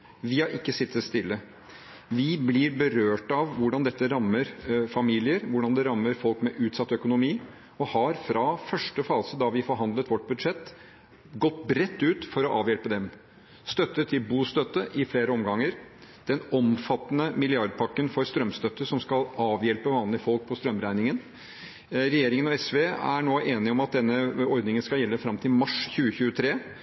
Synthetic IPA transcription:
ʋɪɑɾʔɪkːəsɪt̪ːəst̪ɪlːə | ʋɪblɪɾbəɾøːʈɑʋʋʊɖɑnd̪ɛt̪ːəɾɑmːəɾfɑmiːlɪəɾʋʊɖɑnd̪ɛɾɑmːəɾfɔlkmɛʔʉːt̪sɑt̪ːœkʊnʊmiː | ɔhɑɾfɾɑfœʂʈəfɑːsəd̪ɑʋɪfɔɾɦɑnd̪lət̪ʋɔʈːbʉd̪ʂɛt̪ː | ɡɔt̪ːbɾɛt̪ːʉːt̪fɔɾɔʔɑːʋjɛlpəd̪ɛm | st̪œt̪ːət̪ʰɪlbuːst̪œt̪ːəʔɪfleːɾəɔmɡɑŋːəɾd̪̥ɛnɔmfɑt̪ːnəmɪlɪɑɾd̪̚pʰɑkːənfɔɾst̪ɾœmst̪œt̪ːəʂɔmskɑlɑːʋjɛlpəʋɑːnlɪəfɔlk̚pʰɔst̪ɾœmːɾæɪnɪŋən | ɾɛjeːɾɪŋənɔɛsʋeːæ̰ɳoːʔeːnɪɔmɑt̪̚d̪ɛnːəɔɾd̪nɪŋənskɑljɛlːəfɾɑmt̪ʰɪlmɑʂçʉːəçʉːət̪ʰɾeː

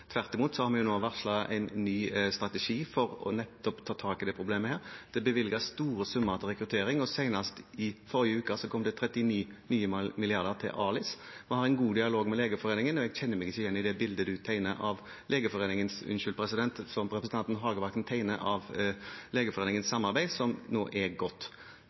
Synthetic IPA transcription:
t̪ʰʋæʁt̪ɪmuːt̪sɔhɑɾmɛjʊnoːʋæʁtʂlɑʔɛ̰ɪnnyːst̪ʁɑt̪ɛʂiːfɔɾɔ̰nɛt̪ːɔpt̪ʰɑːt̪ʰɑːkɪd̪ɛːpʰɾʊbleːməhæːɾd̪̥ɛbəʋɪlɡɑst̪uːɾəsʉmːəɾt̪ʰɪlʁɛkɾʉt̪ʰeːɾɪŋɔsæɪnɑst̪ɪfɔɾɪəʉːkəsɔkʰɔmd̪ɛt̪ʰɾɛt̪ːɪniːnyːəmmɪlɪɑʁd̪əʁt̪ʰɪ̰lʔɑːlɪs | mɛhɑɾɛɪnɡuːd̪ɪɑloːɡmɛleːɡəfɔɾeːnɪŋənɔɛɡɕɛnːəmɛɡɪçːəjɛnːɪd̪ɛbɪld̪əd̪ʉt̪ʰæɪnəʔɑʋ | leːɡəfɔʁeːnɪŋənsʉ̰nʃʏlpʰɾɛsɪd̪ɛnt̪sɔmɾɛpɾəsn̩ɑnt̪nɦɑːɡəʋɑkt̪n̩t̪ʰæɪnəʔɑʋleːɡəfɔɾeːnɪŋənssɑmːɑɾbæɪsɔmno̰ːʔæɾɡɔt̪ː

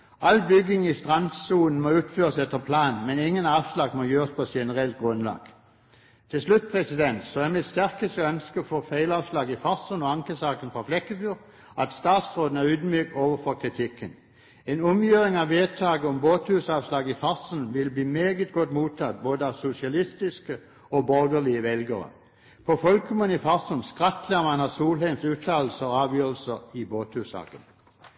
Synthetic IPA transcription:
ʔɑlbʏɡɪŋist̪ʁɑnsuːln̩mɔʉːt̪føːʁəsɛt̪ːəpʰlɑːnmɛnɪŋːənɑːʋslɑːɡmɔjøːʁəspʰɔɛt̪ʃɛnəʁɛlt̪̚ɡʁʉnlɑ̰ːɡ̥ | t̪ʰɪlslʉt̪̚ːpʰʁɛsɪd̪ɛnt̪sɔæʁmɪt̪st̪æʁkəst̪əœnskəfoːfæɪlɑːʋslɑːɡɪfɑʁsənɔɑŋkəsɑːkənfʁɑflɛkːəfyːʁ | ɑt̪st̪ɑːt̪sʁoːd̪n̩æʁʉːd̪myːk̚t̪oːʋəfɔʁkʰʁɪt̪ʰɪkːən | eːnɔmjøːʁɪŋɑʋʋeːt̪ʰɑːɡəɔmboːt̪hʉːsɑːʋslɑːɡɪfɑʁsən̩ʋɪlbliːmeːɡət̪̚ɡɔt̪muːt̪ʰɑt̪̚boːd̪əɑʋsʊsɪɑlɪst̪ɪskə | ɔbɔʁɡ̪əlɪəʋɛlɡəʁə̰ | pʰɔfɔlkʰəmənifɑʁsənskʁɑt̪ləʁmɑnɑsuːlhæɪmsʉːt̪ʰɑːl̩səɔɑːʋjøːʁəl̩səʁɪboːt̪hʉːsɑ̰ːkən

